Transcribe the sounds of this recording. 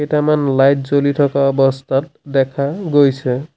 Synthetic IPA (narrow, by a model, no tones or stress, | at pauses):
ejtamanlajt̚ʰzolitʰɔkaɔbɔst̪ʰat̚dɛkʰaɡojsʰɛ